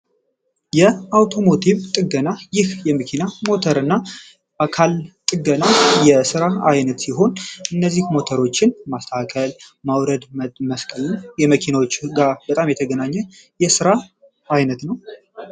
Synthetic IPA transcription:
jɛawt̪ʰo̞mo̞t̪ʰiβt̪ʼɨɡənajɪhjɛməkʰinamo̞t̪ʰəɾɨnːa | ʔakʰalt̪ʼɨɡənajɛsɨɾaajnət̪siɦo̞nʔɨnːəzːihmo̞t̪ʰəɾo̞t͡ʃːɪnmast̪ʰakʰəlmawɾəd̪məməskʼəljɛməkʰinawot͡ʃːɡab̥ət̪ʼamjɛt̪ʰəɡənaɲːɛ | jɛsɨɾaː | jnət̪nəw

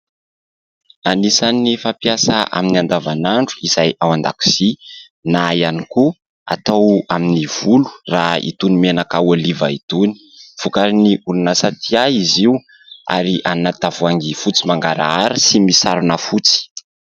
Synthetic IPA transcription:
anisanːifapjasaʔa̰miniand̪avanaɳɖ͡ʐu̥iz̥ajawand̪a̰ku̥z̥i | najaniku | a̰t̪awaminiv̥ulu̥raḭt̪unimenakaolivait̪uni̥ | fukaɾiniulunasat̪ʰiaiziw | a̰ɾiʔanat̪avuaŋɡifut͡simaŋɡaɾa̰aɾəsimisaɾunəfut͡si̥

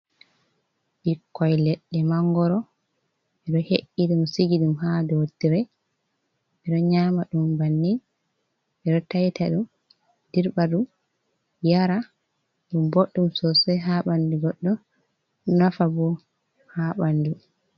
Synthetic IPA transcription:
ʔikːɔjlɛɗːɛmaŋɡɔɾɔ | ɛɗɔheʔːiɗumsiɡiɗumhadɔtːiɾɛ | ɛɗɔɲamaɗumbanːin | ʔɛɗɔtajtʰaɗum | d̥iɾbaɗum | jaɾa | ɗumboɗːumsɔsɔjɦaɓanduɡɔɗːɔ | nafabɔ | haɓandu

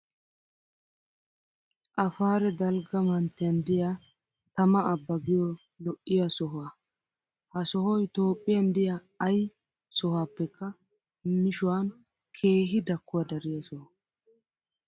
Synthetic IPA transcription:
ʔɐfaːɾɛd̪ɐlɡɐmɐnt̪ːɪjɐnd̪ɪja | t̪ɐmɐʔːbːɐɡɪjɔ | lɔʔːɪjɐsɔɦa | hɐsɔɦɔjt̪o̞ːpʼːɪjɐnd̪ɪjaː | j | sɔhaːpːɛkːɐ | mɪʃʊwan | kʰe̞ːɦɪd̪ɐkːʊwɐd̪ɐɾɪjasɔha

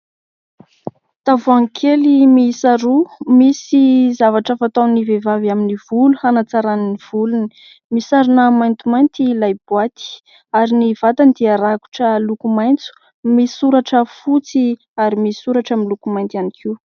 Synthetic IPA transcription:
t̪avuaŋkʰelimiisaɾumisizavaʈ͡ʂəfat̪awnivevavaminiv̥uluhanat͡saɾanniv̥uluni̥ | misaɾunəmajnt̪umajnt̪ilajb̥wat̪i̥ | aɾiniv̥at̪and̪iaɾaku̥ʈ͡ʂəlukumajnt͡su̥ | misuɾaʈ͡ʂəfut͡si | aɾimisisuɾaʈ͡ʂaminlukumajnt̪ianikʰiw

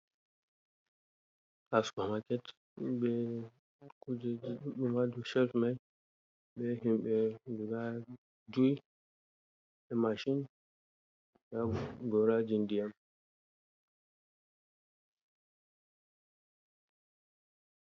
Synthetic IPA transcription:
kaskamakɛt | bɛ | kud͡ʒɗumaduʃɛlfmaj | bɛɦimɓɛɡuɡa | d͡ʒuj | ɛmaʃin | jaɡɔɾad͡ʒindijam

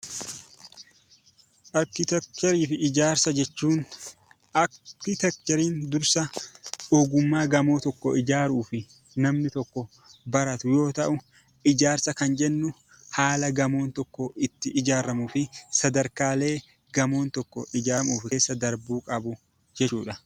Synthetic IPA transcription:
ʔɐɾkɪt̪ɛk̚t̪ɛɾiːfɪɪd͡ʒaːɾsɐd͡ʒɛt͡ʃːuːn | ʔɐkːɪt̪ɛk̚t̪ɔɾiːnd̪ʊɾsɐoːɡʊmːaːɡɐmo̞ːt̪ɔkːɔɪd͡ʒaːɾuːfɪ | nɐmnɪt̪ɔkːɔ | bɐɾɐt̪ʊjo̞ːt̪ɐʔʊ | ɪd͡ʒaːɾsɐkɐnd͡ʒɛnːʊ | haːlɐɡɐmo̞ːnt̪ɔkːɔʔɪt̪ːɪʔɪd͡ʒaːɾɐmuːfɪsɐd̪ɐɾkaːle̞ː | ɡɐmo̞ːnt̪ɔkːɔʔɪd͡ʒaːmuːfɪeːsːɐd̪ɐɾbuːkʼɐbʊ | d͡ʒɛt͡ʃːuːᶑɐ

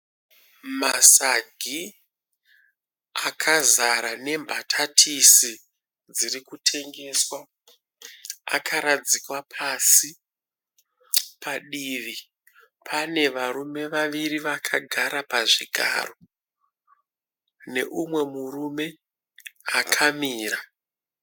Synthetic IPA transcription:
masaɡʱi | akʰazaɾane̞mbʱatʰatʰisi | d͡zirikutʰe̞ŋɡe̞swa | a̰kʰaɾad͡zikwapʰasi | paɗiːʋi | pʰane̞ʋaɾume̞ʋaʋiriʋakʰaɡʱaɾapaʐiɡʱa̰ːro̞ | ne̞ʔumwe̞murume̞ | akʰamiːra

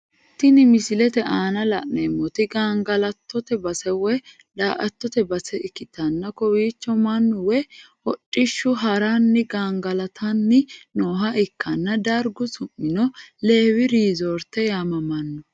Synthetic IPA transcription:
t̪ːɪnɪmɪsɪlɛt̪ɛʔaːnɐlɐ̰ʔnemːɔt̪ɪɡaːŋɡɐlɐt̪ːɔt̪ɛbɐsɛwɛ | d̪a̰ːʔɐt̪ːɔt̪ɛbɐsɛɪkːɪt̪ɐnːɐkɔwiːt͡ʃːɔmɐnːʊwɛ | hɔtʼːɪʃːʊɦɐɾɐnːɪɡaːŋɡɐlɐt̪ʰɐnːɪnoːɦɐʔɪkːɐnːɐd̪ɐɾɡʊsʊmːɪnɔle̞ːwɪɾiːzɔːɾt̪ːɛjaːmɐmɐnːɔ

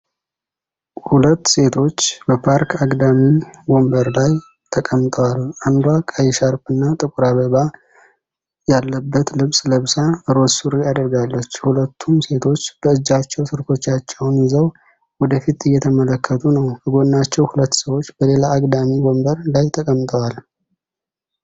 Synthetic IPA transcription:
hulət̪ːse̞t̪ʰo̞t͡ʃːbəpʰaɾkʰaɡʼd̪amiwo̞mbəɾlaj | t̪ʰəkʼəmt̪ʼəwalːʔand̪wakʼajɛʃaɾpɨnːat̪ʼɨkʼuɾaβəβa | jalːəbːət̪lɨβsʼləβsaɾo̞suɾiad̪əɾɡalːət͡ʃːhulət̪ʰːumse̞t̪ʰo̞t͡ʃːb̥əɨd͡ʒːat͡ʃːɛwsɨɾko̞t͡ʃːat͡ʃːɛwnzəw | wɔd̪əfit̪ɨjːɛt̪ʰəmələkʰːət̪ʰʼunəwbʰəɡo̞nːat͡ʃːɛwhulət̪ːsəwo̞t͡ʃːb̥əle̞laːɡʼd̪amiwombəɾlajt̪ʰəkʼəmt̪ʼəwal

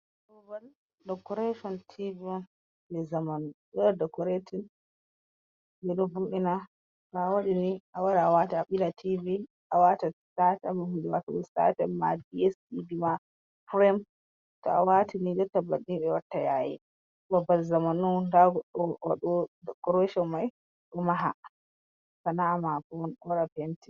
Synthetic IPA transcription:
bɔbal | dɔkɔɾeʃɔntʰiviɔn | bɛzamanɔɗɔadɔkɔɾetʰin | bɛɗɔbuɗina | bawaɗiniʔawaɾaawataɓilatʰivi | ʔawatasatamahundɛwatɔɛsa̰tɛmadiɛsidima | pɾɛm | tɔa̰watʰinid͡ʒɔtːabaɗinɓɛwatːajaːjḭ | babalzamanɔndaɡɔɗːɔwa̰ɗɔdɔkɔɾɛʃɔmaj | ɗɔmaɦa̰ | kanaːmakɔnɔɾapɛnti̥

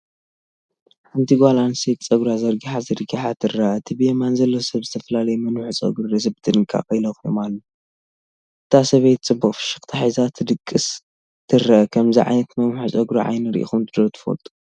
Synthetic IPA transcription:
ħant̪ʰiɡʷalansikʼt͡sʼɐɡɾazɐɾɡiħazɐɾɡiħat̪ʰɨrːaʔɐt̪ʰɨbɨjemanzɐlːosɐβzɨt̪ʰɐfɐlalɐjmɐnħut͡sʼɐ̰ɡɾuɾɐzɨbd̪ɨnkʼa̰kʼɐjlɐxjo̰malːo | ʔɨt̪ʰasɐβejt̪̚t͡sʼɨbːukʼfɨ̥ʃɪ̥xt̪ʰaħazat̪ʰɨd̪ɨkʼːɨs | t̪ʰɨrːɐʔkʰɐmziʕa̰jnɐt̪mɐnħut͡sʼɐɡɾuʕa̰jnɨɾʔḭxumt̪ʰɨd̪ot̪ʰɨ̥fo̰lt̪ʼu̥

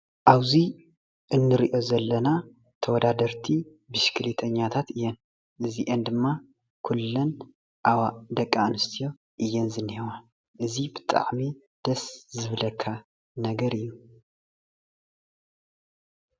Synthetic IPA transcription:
ʔaβzi | ʔɨnːɨɾiʔozɐlːɐna | t̪ʰɐwɔd̪ad̪ɐɾt̪ʰi | bɨʃkʰɨlit̪ʰɐɲːat̪ʰat̪ɨjːɛn | ʔɨziʔend̪ɨmːa | kʰulːɐn | ʔawad̪ɐkʼːanɨst̪ʰijo̞ | ʔɨjːɛnzɨnːhewa | ʔɨzibɨt̪ʼa̰ʕmi | d̪̥ɐszɨβlɐkʰːa | nɐɡɐɾɨjːu

